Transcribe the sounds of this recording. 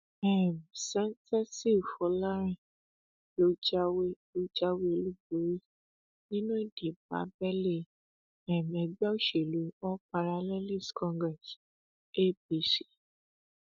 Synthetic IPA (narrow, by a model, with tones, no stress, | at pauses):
ɛ˦˨m˨sɛ̃˦n˦tɛ˦si˦˨fɔ˨˦la˦ɾ̃ĩ˦˨ | lo˦d͡ʒa˦we˦lo˦d͡ʒa˦we˦o˧lu˦bu˨ɾi˦ | nĩ˦nũ˦e˦˨d̥i˨ba̰˨˦bɛ˦le˦˨ | ɛ˨m˨ɛ˨ɡ͡bɛ˦o˦˨ʃe˨lu˨˦ɔ˦pa˨ɾa˧lɛ˦li˦˨skɔ̃˦ŋɡɾɛ˨s | e˦˨b̚i˨˦si̥˦